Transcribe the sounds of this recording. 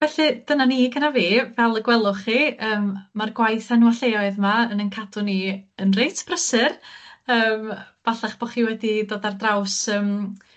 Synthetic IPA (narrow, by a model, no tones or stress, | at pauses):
vɛɬɨd̥ənaniːɡənaviːvɛlˠəɡwɛlˠʊχiəːmmarɡwajθanuwaɬejɔɨðmaənənkʰadʊniənrejtʰb̥rəsɨrəːmb̥aɬaχb̥ɔχiːwɛdidoːdardrawsəːm